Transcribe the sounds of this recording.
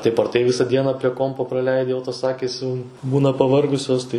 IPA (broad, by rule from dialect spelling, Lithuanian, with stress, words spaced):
ˈtɐɪp ɐr ˈtɐɪ ˈʋʲɪsɐ ˈdʲiɛnɐ pʲrʲiɛ ˈkoːmpoː prɐˈlʲɛɪdʲɪ jɛʊ toːs ˈɑːkʲiːs jɛʊ ˈbuːnɐ pɐˈʋɐrɡʊsʲoːs tɐɪ